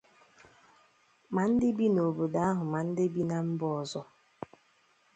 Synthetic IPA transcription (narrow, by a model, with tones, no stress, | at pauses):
ma˨n̩˦dɪ˦bi˦no˨bo˨da˦a˦ɦʊ˨ma˨n̩˦dɪ˦bi˦na˨m̩˦bɔ˦ɔ˨zɔ˦